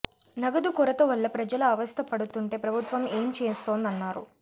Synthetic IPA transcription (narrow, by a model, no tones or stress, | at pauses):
nɐɡɐd̪ukɔɾɐt̪ɐʋɐlːɐpɾɐd͡ʒɐlɐɐʋɐst̪ʰɐpɐɽut̪uɳʈe̞ːpɾɐbʱut̪ʋɐme̞ːmt͡ʃe̞ːst̪o̞ːnd̪ɐnːaːɾṵ